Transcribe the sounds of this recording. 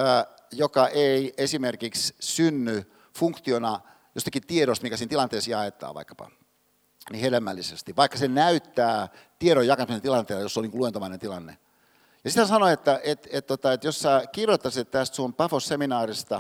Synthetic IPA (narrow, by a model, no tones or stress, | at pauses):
jokɑʔeiesimerkikssynːy | fuŋkt̪ionɑ | jost̪ɑ̥kit̪ieɾost̪miŋkæsiːnt̪ilɑnt̪eːsjɑet̪ːˑɑ̰ːʋɑ̰ikːɑ̥pɑ̰ | nihelemːæ̰lːisest̪iʋʋɑikːɑsenæyt̪ːæː | t̪ieɾojjɑkɑsment̪ilɑnt̪eːljosːoniːŋkuluent̪omɑinent̪ilɑnːḛ | jɑsit̪hænsɑnoet̪ːæʔet̪et̪t̪ːot̪ɑet̪jossæːkirjot̪ːɑsit̪t̪æst̪suompɑfosseminɑːrist̪ɑ